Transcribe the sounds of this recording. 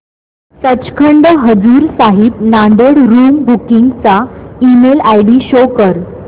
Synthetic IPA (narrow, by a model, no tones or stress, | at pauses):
sət͡ɕkʰəɳɖəɦəd͡zuːɾsaɦibnaɳɖ̪eɽɾuːmbukiŋɡt͡saimelajɖiːɕokəɾ